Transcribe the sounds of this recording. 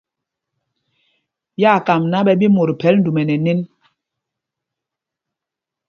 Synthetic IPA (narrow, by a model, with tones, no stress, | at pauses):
ja˦˨ka˨mna˦bɛ˨bi˦mo˨ɾpʰɛ˨˦ln̩˦du˨mɛ˨nɛ˨ne˦n